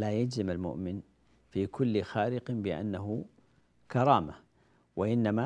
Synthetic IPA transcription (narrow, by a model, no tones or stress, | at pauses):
laːjad͡ʒzamalmʊ̰ʔmɪn | fiːkʊlːɪxaːɾɪqbɪʔa̰nːaɦʊ | kɑɾˤɑːma | waʔɪnːama